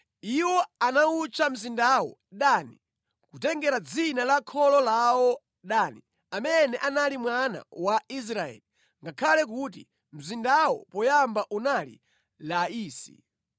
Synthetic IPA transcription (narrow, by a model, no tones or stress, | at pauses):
iwɔanaut͡ʃʰam̩zindawɔ̰ɗani | kutɛŋɡɛɾad͡zinalakʰɔlɔlawɔ | ɗani | amɛnɛʔanalimwana̰wais̬ɾaɛ̰li | ŋɡakʰalɛk̬ut̬ḭ | m̩zindawɔ̰pɔjambaʔunalḭ | laiːsḭ